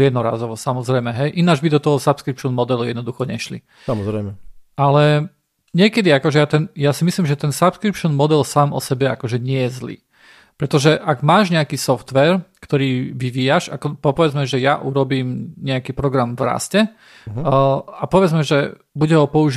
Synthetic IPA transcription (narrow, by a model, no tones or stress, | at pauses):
jɛd̪nɔɾa̰ːzɔʋɔsamɔzɾɛjmɛɦɛjʔinaːd͡ʒbid̪ɔt̪ɔɦɔsapskɾipʃɔnmɔd̪ɛlujɛd̪nɔd̪uxɔɲɛʃlḭ | saɔzɾɛɪmɛʔalɛ | ɲɪɛkɛd̪iakɔʒɛjat̪ɛnjasimisliːmʒɛt̪ɛnsapskɾipʃɔnmɔd̪ɛlsaːmʔɔ̰sɛbɛa̰kɔʒɛɲɪɛjɛzlḭː | pɾɛt̪ɔʒɛʔaɡmaːʒɲɛakiːsɔft̪ʋɛːɾkt̪ɔɾiːʋiʋiːjaʃakɔpɔpɔʋɛd͡zmɛʒɛjaʔuɾɔbiːmɲɛakiːpɾɔɡɾamvɾa̰scɛ | apɔʋɛd͡zmɛʒɛ | buɟɛɦɔpɔuʒ